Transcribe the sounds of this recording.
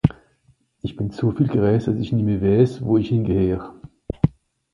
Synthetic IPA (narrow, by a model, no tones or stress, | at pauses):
ʔɪçb̥ɪnt͡soːfiːlɡ̥əʁɛːsd̥asɪçnɪːmiːɐvɛːsvoːɪçhɪnɡəheːʁ